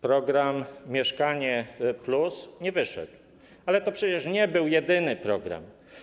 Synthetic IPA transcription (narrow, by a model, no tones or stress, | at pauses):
pɾɔɡɾamːʲjɛʂkaɲɛplusɲɛvɘʂɛ̰d̪w | alɛt̪ɔpʂɛt͡ɕɛʂɲɛbɘwjɛd̪ɘnɘpɾɔɡɾa̰m